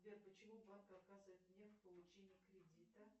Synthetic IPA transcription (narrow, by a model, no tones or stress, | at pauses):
vʲerpət͡ɕɪmubankəɐkazɨvəjt̪̚nʲefʲpəlˠʊt͡ɕenʲɪjəkɾʲɪdʲit̪ə